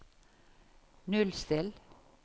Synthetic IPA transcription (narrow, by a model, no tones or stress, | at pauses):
nʉlst̪ɪl